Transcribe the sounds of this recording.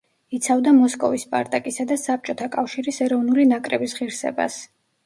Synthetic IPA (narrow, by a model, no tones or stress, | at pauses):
it̪sʰavd̪amɔskʼɔvispʼa̰ɾt̪ʼakʼisad̪asap̚t͡ʃʼɔt̪ʰakʼafʃiɾisɛɾɔvnulinakʼɾɛbisʁiɾsɛ̰ba̰s